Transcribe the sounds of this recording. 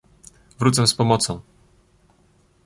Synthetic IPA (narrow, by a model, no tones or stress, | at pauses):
vɾut̪sɛ̃spɔmɔt̪sɔ̃w̃